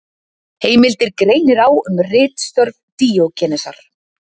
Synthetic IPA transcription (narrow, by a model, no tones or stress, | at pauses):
heːjmɪlt̪ɪɾkɾeːjnɪɾawʏmrɪːt̪st̪œɾnt̪iːocɛːnɛsa̰ɾ̥